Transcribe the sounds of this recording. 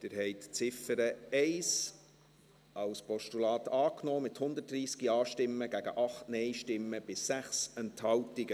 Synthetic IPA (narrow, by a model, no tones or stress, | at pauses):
d̥̪ɪɾɦɛɪtt͡sɪfəɾəɛɪs | ʔɑwspʰɔʃtulɑːtɑːknoːmɪthʊnd̪ət̚d̥ɾiːskiɑːʃtɪmːəɡ̥æɡə̰ʔɑχtnɛɪʃtɪmːəb̥ɪsːæχsɛnthɑwtɪɡə